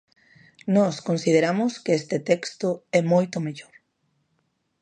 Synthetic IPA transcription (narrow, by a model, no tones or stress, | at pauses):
nɔskonsið̞eɾamʊskeest̪et̪ɛkst̪ʊɛmojt̪ʊmeʎoɾ